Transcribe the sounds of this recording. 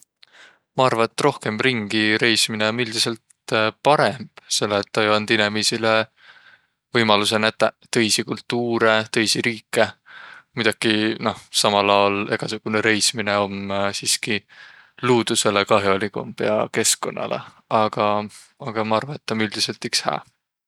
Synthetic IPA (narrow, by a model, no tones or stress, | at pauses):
mɑɑrvɑet̪ːro̞hke̞mriŋɡ̥iɾe̞jsmineomːyld̪ise̞lt̪ | pɑɾe̞mb̥selːeːt̪ːɑjɑnd̪̥inemisile | vɤjmɑluse̞næt̪ːæt̪ɤ̞jsikult̪ːuːɾe̞t̪ɤ̞jsiɾiːkːˑe̞mid̪̥ɑɡ̥ino̞hsɑmɑlɑwole̞̰ɡ̥ɑsuɡ̥uneɾe̞jsmineo̞msiːski | luːd̪̥use̞le̞kɑɦjolikṵmpeɑke̞sko̞̰nːʔɑ̰lḛ | ɑɡ̥ɑ | ɑɡ̥ɑmɑɑrvɑet̪ːɑmyld̪̥ise̞lt̪ikshæ̰ː